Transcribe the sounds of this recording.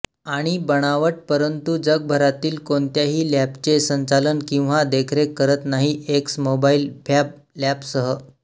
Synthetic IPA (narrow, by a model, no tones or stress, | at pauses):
aɽ̃ibəɽ̃aʋəʈ̚pəɾənt̪ud͡zəɡ̚bʱəɾat̪iːlkont̪jaɦiːlapt͡ɕesəɲt͡salənkĩw̃ʋad̪ekʰɾekəɾət̪naɦieksmobailpjap̚ | ljapsəɦə